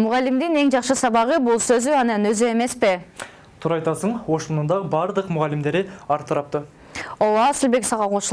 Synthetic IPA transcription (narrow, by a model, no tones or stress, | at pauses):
mʊʁɑlːimd̪ine̞ŋd͡ʒɑqʃɯsɑβɑʁɯbulˠsøzyɑnɑnø̞zye̞me̞spi | t̪ʰuːɾɑjt̪ɑsɯɴo̞ʃmunund̪ɑbɑɾd̪ɯqmʊʁɑlːimd̪e̞ɾiɑɾt̪ɑɾɑp̚t̪ə | owˠɑsilʲbe̞ksɑʁɑqʰoʃˠ